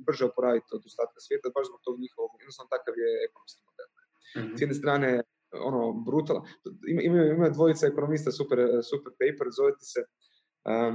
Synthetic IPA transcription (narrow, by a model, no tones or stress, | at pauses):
br̩ʒeopoɾaːʋit̪od̪ost̪aːt̪̚kasʋjet̪abaʃzbo̞ɡ̚t̪oɡɲixoʋoɡjed̪nosanot̪akaʋjeekonomskimod̪elnɛ | sjd̪nest̪ɾaːne | o̰nobɾut̪alimimajuimajud̪ʋo̞jit̪saekonomist̪asupeɾsupeɾpejpeɾzoʋet̪e̥se | ə